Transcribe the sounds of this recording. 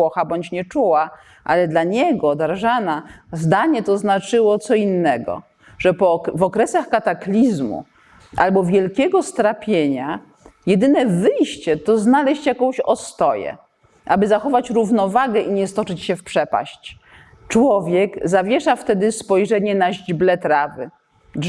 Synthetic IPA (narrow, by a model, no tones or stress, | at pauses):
ɔxabɔɲt͡ɕɲɛt͡ʂuwa | ʔa̰lɛd̪laɲɛɡɔd̪aɾʐanazd̪aɲɛt̪ɔznat͡ʂɘwɔt̪sɔinːɛɡɔ̰ | ʐɛpɔvɔkɾɛsaxkat̪aklʲizmṵ | ʔa̰lbɔvʲjɛlkʲɛɡɔst̪ɾapʲjeɲa | jɛd̪ɘnɛvɘjɕt͡ɕɛt̪ɔznalɛɕt͡ɕjakɔ̃w̃ɕɔ̰st̪ɔjɛ̰ | ʔabɘzaxɔvat͡ɕɾuvnɔvaɡɛʔiɲɛst̪ɔt͡ʂɘt͡ɕɕɛfpʂɛpa̰ɕt͡ɕ | t͡ʂwɔvʲjɛkzavʲjɛʂaft̪ɛd̪ɘspɔjʐɛɲɛnaʑd͡ʑblɛt̪ɾavɘ̰